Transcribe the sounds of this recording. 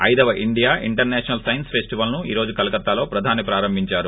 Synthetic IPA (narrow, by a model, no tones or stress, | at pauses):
ɐjd̪ɐʋɐʔiɳɖijaːʔiɳʈɐɾnɛːʂɐnɐlsɐjnspʰesʈiʋɐlnuḭːɾo̞ːd͡ʒukɐlɐkɐt̪ːaːlo̞ːpɾɐd̪ʱaːnipɾaːɾɐmbʱiɲt͡ʃaːɾu